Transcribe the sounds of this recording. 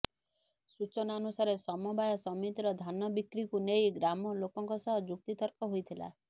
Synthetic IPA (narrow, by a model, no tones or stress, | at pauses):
sut͡ʃɔnaɔnusaɾesɔmɔbajɔsɔmit̪ɾɔd̪ʱanɔbikɾikunejɡɾamɔlokɔŋkɔsɔɦɔd͡ʒuk̚t̪it̪ɔɾkɔɦojt̪ʰila̰